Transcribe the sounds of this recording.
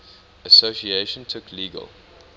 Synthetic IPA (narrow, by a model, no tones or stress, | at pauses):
əsosieʃə̃ntʰʊkʰliːɡə̰lˠ